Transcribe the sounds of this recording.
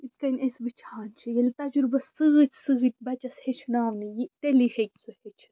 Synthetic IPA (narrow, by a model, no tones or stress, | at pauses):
it̪̚kɐnʲɐsbit͡ʃʰaːnt͡ʃʰijɐlit̪ɐd͡ʒuɾbɐsːɨɣɨt͡ʃʲsɨɣɨt̪̚ʲbɐt͡ʃɐshet͡ʃʰnaːʋnijit̪elihekʲsuhet͡ʃʰ